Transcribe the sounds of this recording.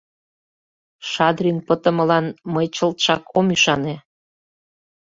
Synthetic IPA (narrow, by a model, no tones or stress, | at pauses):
ʃɑd̪rinpət̪ə̆mə̆lɑnməjt͡ɕə̆lt̪ʃɑkomyʃɑne